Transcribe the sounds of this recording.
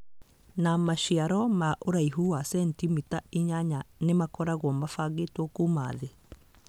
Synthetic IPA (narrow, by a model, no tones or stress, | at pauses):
namaʃiaɾɔmaʔoɾaiɦuasɛntimitaiɲaɲanemakɔɾaɣwɔmafaɣetwɔkuma̰ːðe